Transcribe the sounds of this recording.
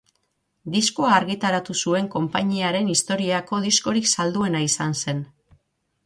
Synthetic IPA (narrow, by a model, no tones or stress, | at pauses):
d̪iskoaːɾɣit̪aɾat̪usue̞ŋko̞mpaɲiaɾe̞nist̪o̞ɾiako̞ðisko̞ɾiksald̪ue̞naisanse̞n